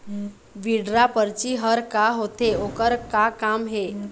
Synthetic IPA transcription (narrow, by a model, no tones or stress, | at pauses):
ʋiɖɾapəɾt͡ʃiɦəɾkaɦot̪eokəɾkakamɦe